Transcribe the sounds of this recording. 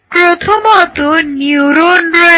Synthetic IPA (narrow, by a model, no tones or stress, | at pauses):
pɾot̪ʰomɔt̪onjuɾonɾe